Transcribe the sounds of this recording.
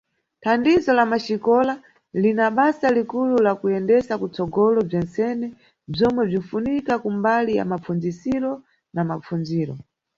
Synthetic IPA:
tʰandizɔlamaʃikɔla | linaɓasalikululakujɛndɛsakut͡sɔɡɔlɔb͡ʐɛnsɛnɛ | b͡ʐɔmwɛb͡ʐinfunikakumbalija̰map͡fund͡zisiɾɔ | namap͡funziːɾɔ̰

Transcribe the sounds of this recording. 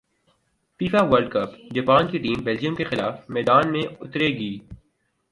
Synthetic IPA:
fiːfaʋəɾɖ̚kɐpd͡ʒɐpaːnkiʈiːmbɛld͡ʒijəmkexɪlaːfmɛːd̪aːnmẽʊt̪ɾeɡiː

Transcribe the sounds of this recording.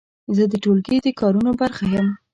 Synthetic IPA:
zəd̪əʈolɡed̪əkɑɾunobaɾxajəm

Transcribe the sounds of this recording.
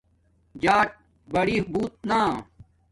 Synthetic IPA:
d͡ʑaːʈ̚ | bɐɽiːɦbuːt̪̚naː

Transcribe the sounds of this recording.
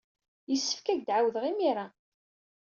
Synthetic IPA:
jəsːə̥fkæʝd̪ʕawðəʁimiɾa

